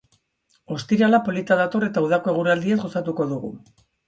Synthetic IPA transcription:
o̞st̪iɾalapo̞lit̪aðat̪o̞re̞t̪auð̞ako̞e̞ɣ̞uɾald̪iezɡo̞sat̪uko̞ðuɣṵ

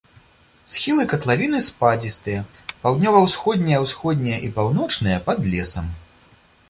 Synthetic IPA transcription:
sxʲilˠɨkɐt̪lˠavʲinɨspad͡zʲist̪ɨjɐpawd̪nʲɔvɐwsxɔd̪ʲnʲɐjɐwsxɔd̪ʲnʲɐjɐʔipawnɔt͡ʂnɨjɐpɐd̪lʲɛsɐm

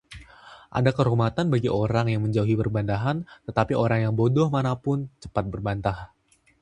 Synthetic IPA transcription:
ʔa̰dakəɾumat̪anbaɡiʔoɾaŋjaŋməɲd͡ʒauɦipərbant̪aɦant̪ət̪apiʔoɾaŋjaŋbodɔhmanapʊnt͡ʃə̥pat̪̚bərbant̪ah

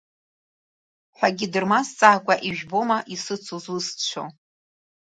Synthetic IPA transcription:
ħʷᶣaɡʲidɨrmast͡sʼaːkʷʼaʔiʒᶣbomaʔisɨt͡sʰuzust͡ʃʷʰo̰

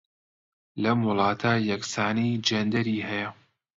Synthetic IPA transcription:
lɐmwʊlˠɑːt̪ʰaːjɐksaːnijd͡ʒɐnd̪ɐɾiːhɛjɐ

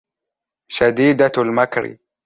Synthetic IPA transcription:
ʃad̪iːd̪almakɾɪ̰

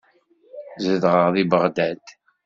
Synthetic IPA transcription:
zəðʁəʁðibəʁd̪æt̪

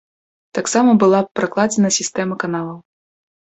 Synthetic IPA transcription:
t̪aksamɐbɨlˠapɾaklˠad͡zʲɛnɐsʲist̪ɛmɐkanalˠɐw

